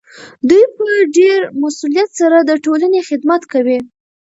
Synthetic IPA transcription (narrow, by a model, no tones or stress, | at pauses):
d̪ujpəɖeɾmasulijat̪saɾad̪əʈolanexɪd̪mat̪kawi